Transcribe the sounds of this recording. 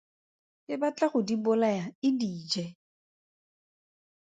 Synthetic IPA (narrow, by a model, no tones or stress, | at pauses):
ɪbat͡ɬʼaχʊdibʊlajaɪdiːd͡ʒɛ